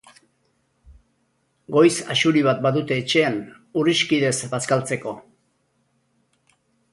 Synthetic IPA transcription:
ɡo̞jsaʃuɾiβ̞at̪̚baðut̪e̞ːt͡ʃe̞an | uriʃkiðe̞zbaskalt͡se̞ko̞

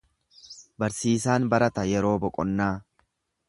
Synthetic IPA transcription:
bɐɾsiːs̬aːnbɐɾɐt̪ɐjɛɾo̞ːbɔkʼɔnːaː

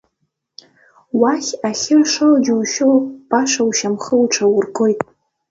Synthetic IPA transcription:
waχʲaχʲɪrʂɨlad͡ʒuwʃowb̥ʼaʂawʃamχəwʈ͡ʂʷʰawʊrɡojtʼ

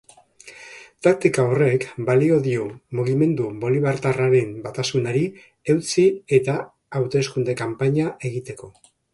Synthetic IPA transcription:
t̪ak̚t̪ikao̞re̞kbalio̞ðiomuɣ̞ime̞nd̪uβo̞liβaɾt̪araɾe̞mbat̪asunaɾi | e̞wt͡sie̞t̪aː | wt̪e̞skund̪e̞kampaɲaʔe̞ɣit̪e̞ko̞

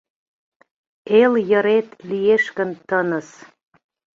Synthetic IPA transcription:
eljɤ̆ɾet̪lieʃkənt̪ənə̆s

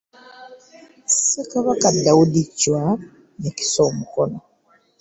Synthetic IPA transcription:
sikaβakadaudicwa | neki̥somukono

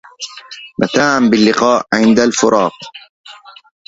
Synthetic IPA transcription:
mat̪aːʕambɪlːɪqɑːʔʕɪnd̪alfʊɾˤʔɑːq

